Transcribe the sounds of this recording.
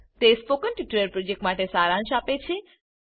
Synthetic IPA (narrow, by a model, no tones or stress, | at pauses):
t̪espokənʈiʈɾəɾpɾod͡ʒek̚ʈmaʈesaɾãnʃapet͡ʃʰe